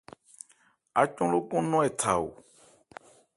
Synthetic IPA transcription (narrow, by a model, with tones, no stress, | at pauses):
a˨t͡ʃɔ̃˦lo˦kɔ̃˦nɔ̃˦ɛ˨tʰa˨ṵ˨